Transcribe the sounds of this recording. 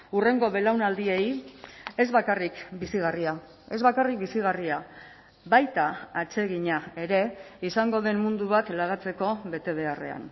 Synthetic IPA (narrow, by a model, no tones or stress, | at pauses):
ure̞ŋɡo̞βe̞lawnald̪iej | e̞zβakarikbisiɣ̞aria | e̞zβakarik̚bisiɣ̞aria | βajt̪aːt͡se̞ɣiɲae̞ɾe̞isaŋɡo̞ðe̞nmund̪uβat̪laɣ̞at͡se̞ko̞βe̞t̪e̞β̞e̞are̞̰a̰n